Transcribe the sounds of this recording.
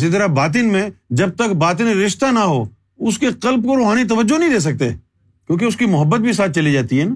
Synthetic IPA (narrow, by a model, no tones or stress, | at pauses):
sit̪̬əɾabaːt̪̬ɪnmẽd͡ʒɐb̚t̪əkbaːt̪̬ɪnɾɪʃt̪anaɦoː | ʊskeqɐlb̚koɾoːɦaːnet̪̬ɐʋəd͡ʒːonɐɦĩd̪eːs̬ɐk̚t̪e | kjõːkeʊskimʊɦəbːət̪̚bʱis̬aːt̪̚ʰt͡ʃɐlid͡ʒaːt̪iɦɛːn